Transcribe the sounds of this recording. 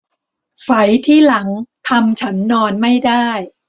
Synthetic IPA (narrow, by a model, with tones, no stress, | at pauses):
fa˩˦jt̪ʰiː˥˩la˩˦ŋt̪ʰa˧mt͡ɕʰa˦˥nːɔː˧nma˥˩jdaː˥˩j